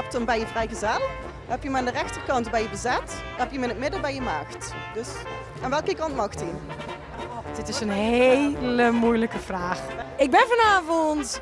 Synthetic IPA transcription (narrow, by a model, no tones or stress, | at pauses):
ɛp̚təmbɛjəvrɛjɣəzɛlˠ | hɛpjəmaːndərɛxtərkɑntbɛjəbəzɛt | hɛpjəmɪnət̚mɪdəbɛjəmaːxtd̥øs | ʔaːnʋɛlˠkəkɑntmɑxti | d̥ɪtɪsənɦejləmujləkəv̥raːxɪɡ̚bɛnvɔnaːvɔnt